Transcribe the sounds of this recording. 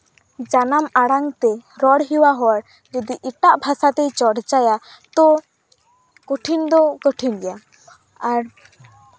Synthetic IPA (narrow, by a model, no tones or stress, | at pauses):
d͡ʒanamaɽaŋt̪ɛɾɔɽɦiwaɦɔaɽ | d͡ʒɔd̪iʔiʈaʔbʱasat̪ɛjt͡ʃɔɽt͡ʃaja | t̪ɔ | koʈʰind̪ɔkɔʈʰinɡɛja | aɾ